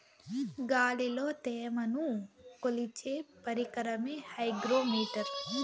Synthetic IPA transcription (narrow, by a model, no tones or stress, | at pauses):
ɡaːliloːt̪ɛːjɐmɐnukolit͡ʃeːpɐɾikɐɾɐmeːhɐjɡɾoːmiːʈɐɾ